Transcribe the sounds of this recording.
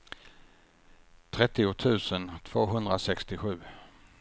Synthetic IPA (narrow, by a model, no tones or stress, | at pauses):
t̪ʰɾɛt̪ːɪʊt̪ʰʉ̟ːsənt̪ʰv̥oːɦɵnd̪ɾasɛkst̪ɪɧʉ̟ː